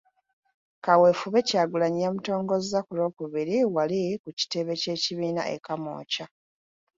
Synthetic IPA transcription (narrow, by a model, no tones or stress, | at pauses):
kawe̞ːfuβe̞caːɡulaɲijamuto̞ːŋɡo̞zakulo̞ːkuβiɾiwalikuci̥te̞βe̞ce̞ːciβiːna̰ʔe̞̰kamo̞̰ːca